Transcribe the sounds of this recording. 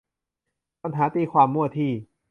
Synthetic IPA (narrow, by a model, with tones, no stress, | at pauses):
a˧nɦaː˩˦˥t̪iː˧kʰwaː˧mːu˥˩ɐt̪ʰiː˧˩